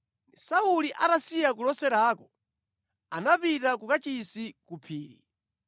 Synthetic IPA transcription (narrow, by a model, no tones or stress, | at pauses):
sauliʔatasijak̬ulɔsɛɾaːkɔ | anapitakukat͡ʃisikupʰiːɾḭ